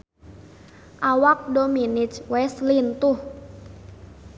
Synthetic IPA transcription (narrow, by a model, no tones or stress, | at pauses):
ʔawak̚dominit͡ʃwɛslint̪uh